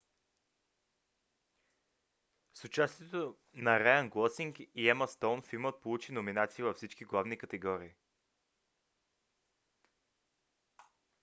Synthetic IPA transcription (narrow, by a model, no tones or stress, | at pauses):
sʊt͡ʃast̪iɛt̪o | nɐɾɛənɡlˠɔsiŋkiɛməst̪onfilmət̪̚polˠut͡ʃinominat̪siəvɐfsit͡ʃkiɡlˠavnikət̪ɛɡɔɾiː